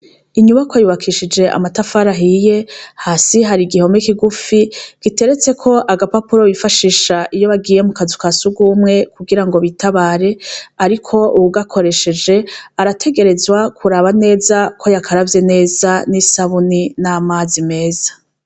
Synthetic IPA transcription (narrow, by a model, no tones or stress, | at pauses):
iɲuβakwajuβakʰiʃid͡ʒe̞ʔa̰matafaɾaɦije̞haːsiɦaɾiɡiho̞mekiɡufiɡ̥ite̞ɾe̞t͡se̞kʰo̞ʔaɡapapuɾo̞βifaʃiːʃaʔijo̞βaɡiːje̞mukazu̥kasuɡumŋe̞kuɡiɾaŋɡo̞βitʰaβaːɾe̞aɾikʰo̞uβuɡakʰo̞ɾe̞ʃe̞d͡ʒe̞aɾatʰe̞ɡe̞ɾe̞zwakʰuɾaβane̞ːzakʰo̞jakʰaɾavje̞ne̞ːzanisaβuninamaːzime̞ːzḁ